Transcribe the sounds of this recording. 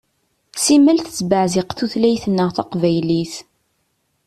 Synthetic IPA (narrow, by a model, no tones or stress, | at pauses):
simælθəsbəʕzɪqθuθlæjθnːəʁθæqvæjliθ